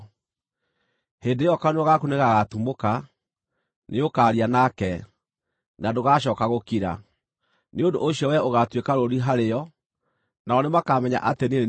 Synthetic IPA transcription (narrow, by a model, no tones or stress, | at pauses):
heːndejɔkaneɔɣakoneɣaɣatumoka | neokaːɾianakɛ | nadoɣaːɕ̬ɔːkaɣokiɾa̰ | neondo̰ʔoɕiɔwɛoɣatwekaɾoɾiɦaɾeɔ | naɔnemakaːmɛɲa̰ʔatene